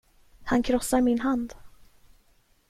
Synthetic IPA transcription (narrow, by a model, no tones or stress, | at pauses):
hankʰɾɔsːaɾmɪnɦand̪